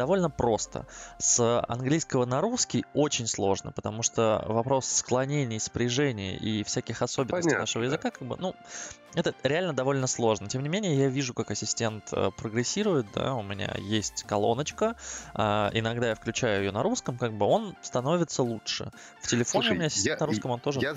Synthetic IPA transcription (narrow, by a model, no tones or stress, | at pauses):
d̪̥ɐvo̞lʲnəpɾo̞st̪ə̰səɐ̰nɡlʲijskəvənɐɾuskʲɪjot͡ɕɪnʲslˠo̞ʐnə̰pət̪ɐmuʂt̪ovɐpɾo̞sːklˠɐnʲenʲɪjspɾʲɪʐɛnʲɪjə̰ʔifsʲækʲɪxɐso̞bʲɪnsʲtɪjnaʂɨvəjɪzɨkakaɡ̚bɨ̰nu | ɛt̪əɾʲɪalʲnəd̪ɐvo̞lʲnəslˠo̞ʐnətʲemnʲɪmʲenʲɪjəjavʲiʐʊkakɐsʲɪsʲtʲe̞nt̪ʰə̰pɾəɡɾɪsʲːiɾʊjɪt̪̚d̪a̰ʊmʲɪnʲa̰jesʲtʲkɐlˠo̞̰nət͡ɕkəaɪ̰nɐɡd̪ajafklʲʉt͡ɕæjʊɪjonɐɾuskəmkaɡ̚bɨo̞nst̪ɐno̞vʲɪt̪səlˠutʂɨ̰ | ftʲɪlʲɪfonʲɪʊmʲɪnʲasʲɪ̥stʲnɾuskəmo̞nt̪o̞ʐə